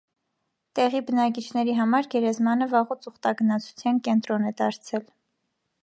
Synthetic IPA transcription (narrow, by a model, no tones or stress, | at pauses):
t̪ɛʁibənɑk̬it͡ʃʰn̪ɛɾiɦɑmɑɾɡɛɾɛzmɑnəvɑʁut͡suχt̪ɑɡənɑt͡sʰu̥t͡sʰjɑnkɛnt̪ɾɔnɛd̪ɑɾt͡sʰɛl